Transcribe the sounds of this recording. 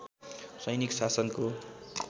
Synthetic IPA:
sʌjniksasʌnko

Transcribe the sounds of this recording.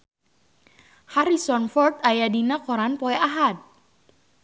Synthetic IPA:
haɾisɔnfɔrt̪ajadinakɔɾanpɔɛʔaɦat̪̚

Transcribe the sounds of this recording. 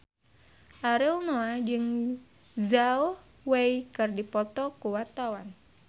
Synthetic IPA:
ʔaɾɪlnoad͡ʒɨŋ | zauh | wejkɨrdipɔt̪ɔkuwat̪awan

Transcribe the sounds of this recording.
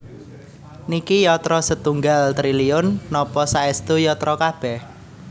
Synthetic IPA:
nikijɔt̪ɾɔsət̪uŋɡalt̪ɾiliʊnːɔpɔsaɛst̪ujɔt̪ɾɔkab̥ɛh

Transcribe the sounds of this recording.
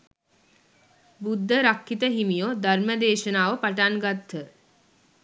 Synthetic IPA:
bud̪ʱːəɾakːit̪əɦimijod̪ʱaɾməd̪eːʃənaːʋəpaʈanɡat̪ːə

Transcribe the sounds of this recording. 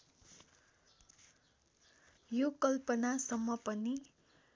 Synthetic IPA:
jokʌlpʌnasʌmːʌpʌni

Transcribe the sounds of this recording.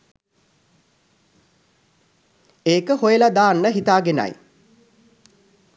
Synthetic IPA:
eːkəhojəlad̪aːnːəɦit̪aːɡena̰j

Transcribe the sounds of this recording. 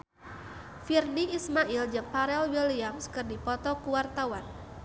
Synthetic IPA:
firniʔismaʔild͡ʒəŋ̚paɾɛlwiliamskɨrdipɔt̪ɔkuwart̪awan

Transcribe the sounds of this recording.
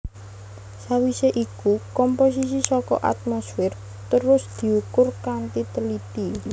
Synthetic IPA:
sawiseʔikukɔmpos̬is̬isɔkɔ̰ʔa̰t̪̚mosfɪr | t̪əɾʊsd̪̥i̤ukʊrkant̪it̪əlit̪i

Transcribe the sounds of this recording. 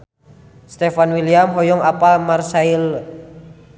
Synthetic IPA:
st̪efanwiliamɦɔjɔŋapalmarsail

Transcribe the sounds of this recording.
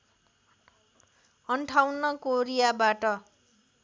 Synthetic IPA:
ʌɳʈʰawnʌkoɾijabaʈʌ

